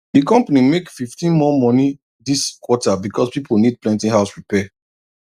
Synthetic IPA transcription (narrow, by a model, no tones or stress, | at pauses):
dikɔ̃mpanimekfiftĩnmɔmɔni | diskwɔtabikʰɔspipʰonid̚plɛ̃ntĩŋɦaʊsɹipɛ